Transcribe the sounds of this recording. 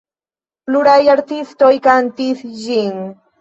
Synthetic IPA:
pluɾajaɾt̪ist̪ojkant̪isʒiŋ

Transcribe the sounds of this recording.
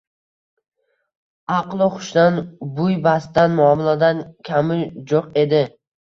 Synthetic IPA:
ɑqlˠɪχʊ̥ʃd̪anbʊjbast̪anmʊɒmɪlad̪ankʲʰamɪd͡ʒoqe̞d̪ɪ

